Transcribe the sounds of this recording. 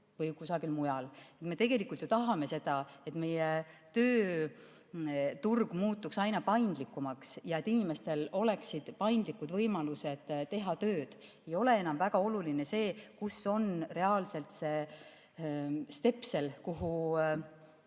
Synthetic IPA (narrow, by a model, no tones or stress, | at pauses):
vɤjkusɑɡilmujɑle̞t̪me̞t̪e̞ɡ̥e̞likˑult̪jot̪ɑɦɑme̞se̞d̪̥ɑe̞t̪me̞jet̪ø̞ː | t̪urɡ̥muːt̪ːˑuksɑjnɑpɑjnd̪likˑːumɑksjɑe̞t̪ːinime̞st̪e̞lo̞le̞ksid̪̥pɑjnd̪likːˑud̪vɤjmɑluse̞d̪̥t̪e̞ɦɑt̪ø̞ːd̪̥e̞jo̞le̞e̞nɑmvæɡ̥ɑo̞lulinese̞ːkuso̞nre̞ɑːlse̞lt̪se̞ | st̪e̞pse̞lkuɦu